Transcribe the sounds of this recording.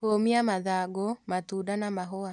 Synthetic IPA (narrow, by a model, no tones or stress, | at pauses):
omiamaðaɡomatuːdanamaɦoa